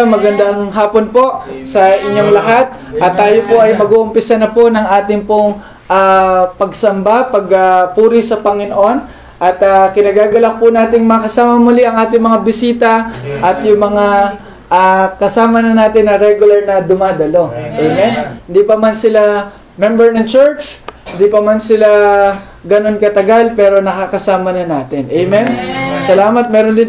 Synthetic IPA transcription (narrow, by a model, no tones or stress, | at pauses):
mɐɡɐnd̪aŋɦaːpo̞npo̞ʔsɐʔɪɲːo̞ŋlɐɦat̪̚ | ʔɐt̪ːaːjo̞po̞ʔɐjmɐɡuːʔʊmpɪsanɐpo̞nɐŋʔaːt̪ɪŋpoŋ | ʔapɐɡsɐmbapɐɡapuːɾɪsɐpɐŋɪnoʔo̞n | ʔɐt̪akɪnɐɡaːɡɐlak̚pʊnaːt̪ɪŋmɐɐkɐsaːmɐmʊlɪʔɐŋʔaːt̪ɪŋmɐŋabɪsiːt̪ɐʔɐt̪jʊŋmɐŋa | ʔakɐsaːmɐnɐnaːt̪ɪnːɐɾɛɡʊlɐɾnɐd̪ʊmaːd̪ɐlo̞ʔɛjmɛnhɪnd̪iːpɐmansɪla | mɛmbɛɹnɐŋt͡ʃɛɹt͡ʃhɪnd̪ipɐmansɪla | ɡɐno̞nkɐt̪ɐɡalpɛːɾo̞nɐkaːkɐsaːmɐnɐnaːt̪ɪnʔɛjmɛnsɐlaːmɐt̪̚mɛːɾond̪ɪn